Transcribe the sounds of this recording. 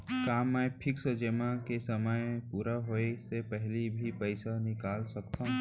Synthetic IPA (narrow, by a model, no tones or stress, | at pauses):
kaːmːɛʈʰɪksəd͡ʒemãkesəməjpuːɾaɦoesepəɦlibʱipəɪsanɪkaːlsəkt̪ʰã